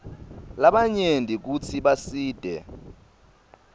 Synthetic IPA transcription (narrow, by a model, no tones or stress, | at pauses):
laɓaɲendʱik̬ut͡sʰiɓasiːd̥ʱɛ̰